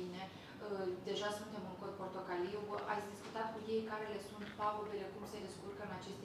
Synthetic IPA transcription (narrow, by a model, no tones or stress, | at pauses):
ine̞ | əd̪e̞ʒasunt̪e̞mɨŋkoko̞rt̪o̞kaliwʔa̰t̪sʲd̪iskut̪at̪̚kuje̞jkaɾe̞le̞sunt̪paobile̞kumse̞d̪eskurkəɨnat͡ʃe̞st̪